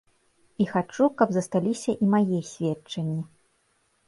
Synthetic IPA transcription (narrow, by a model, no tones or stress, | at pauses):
ixat͡ʂukɐbzɐst̪alʲisʲɐʔimajɛsʲvʲɛt͡ʂɐnʲːi